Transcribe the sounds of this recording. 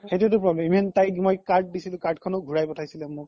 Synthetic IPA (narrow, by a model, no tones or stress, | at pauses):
xetuɛtʊpɹɔblɛmimɛntajkmojkaɹt̚disilʊ̃kaɹtkʰɔnɔɡʱuɹajpɔtʰajsilɛmʊk̚